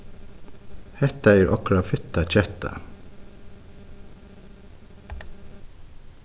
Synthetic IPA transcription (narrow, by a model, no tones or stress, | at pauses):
hɛt̪æjɾʔɔkɾɑːʋfʏt̪ɑc͡çɛt̪ɑ̰